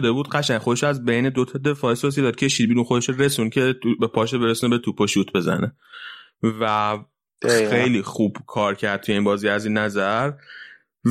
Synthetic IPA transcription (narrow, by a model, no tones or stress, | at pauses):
d̪ebuːd̪ɢæʃæŋxo̞d̪e̞ʃoæzbe̞jned̪ot̪ʰɒd̪e̞fɒːesos̬ied̪ɒːd̪̚cʰe̞ʃiːd̪̚biːɾunxod̪eʃoɾe̞suncʰe̞t̪ubepʰɒːʃebeɾesunebet̪ʰupʰoʃuːt̪ʰbe̞zæ̰ne | væ | xe̞jliːxub̥kʰɒːɾcʰæɾd̪̚ʰuje̞iːnbɒːziæziːnːæzæɾ